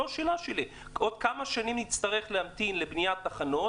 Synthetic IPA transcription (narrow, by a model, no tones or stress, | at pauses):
oʃeːlaʃeli | ʔo̞d̪̚kamaʃanimnitt͡st̪aʁe̞χleamt̪inlebnijat̪ːaχano̞